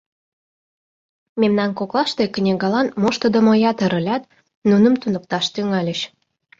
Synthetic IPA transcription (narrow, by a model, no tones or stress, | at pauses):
memnɑnkoklɑʃt̪ekənʲeɣɑlɑnmoʃt̪od̪əmojɑt̪ə̆ɾə̆lʲɑt̪̚ | nunəmt̪unək̚t̪ɑʃt̪yŋɑlʲəɕ